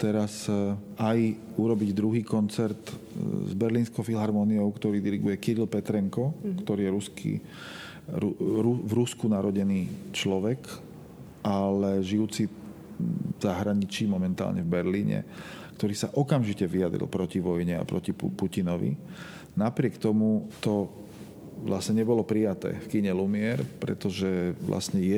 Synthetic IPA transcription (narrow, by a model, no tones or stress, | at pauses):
t̪ɛɾas | aj | uɾɔbiɟd̪ɾuɦiːkɔnt͡sɛɾt̪zbɛɾliːnskɔʊfilɦaɾmɔniɔʊkt̪ɔɾiːd̪iɾiɡujɛkiɾilpɛt̪ɾɛŋkɔkt̪ɔɾiːjɛɾuskḭ | ɾuɾuvɾuskunaɾɔɟɛniːt͡ʃlɔʋɛk | ʔalɛʒijuːt͡si | z̥aɦɾaɲit͡ʃiːmɔmɛnt̪a̰ːlɲʔɛvbɛɾliːɲɛ̰kt̪ɔɾiːsaʔɔkamʒicɛʋijad̪ɾḭlpɾɔciʋɔjɲɛa̰pɾɔcipucinɔʋḭ | napɾɪɛkt̪ɔmut̪ɔ | ʋlasɲɛɲɛbɔlɔpɾijat̪ɛ̰ːfkiɲɛlumɪɛɾpɾɛ̰t̪ɔʒɛʋlʔa̰sɲɛjɛ